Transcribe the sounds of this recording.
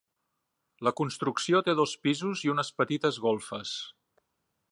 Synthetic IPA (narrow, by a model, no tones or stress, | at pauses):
ləkunst̪ɾuksiot̪eðospizuziunəspət̪it̪əzɣolˠfəs